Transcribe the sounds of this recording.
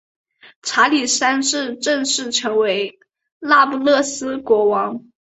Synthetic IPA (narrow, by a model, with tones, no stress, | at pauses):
ʈ͡ʂʰa˧˥li˨˩ʂa˥nʂɻ̩˥˧ʈ͡ʂɤ˥˧ŋʂɻ̩˥˩ʈ͡ʂʰɤ˧˥ŋwe˧˥ɪ | la˥˧pu˥˧lɤ˥˩sɹ̩˥kwɔ˧˥wɑ˧˥ŋ